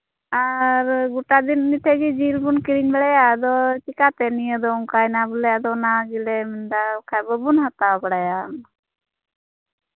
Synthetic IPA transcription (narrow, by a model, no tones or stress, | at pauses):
aɾɡuʈad̪inːiʈʰɛɡid͡ʒilbunkiɽiɲbɛɽajad̪ɔt͡ʃikat̪ɛnijəd̪ɔuŋkajnabulajad̪ɔnaɡilɛmɛnd̪akajbəbunɦat̪abɔɽajan